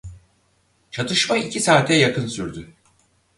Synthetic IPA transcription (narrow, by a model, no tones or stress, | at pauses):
t͡ʃʰat̪ʰɯʃmaicʰisaːt̪ʰɛjakɯnsyɾd̪y